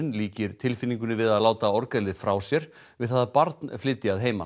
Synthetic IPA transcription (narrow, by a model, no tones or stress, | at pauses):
ɪnliːcɪɾ̥t̪ʰɪlfɪnːiŋk̬ʏnɪvɪðaðlaːwt̪aɔɾkalðɪfɾaːwsjɛɾ | vɪðθaðapaɾt̪nflɪt̪ːɪaðɦeːjma̰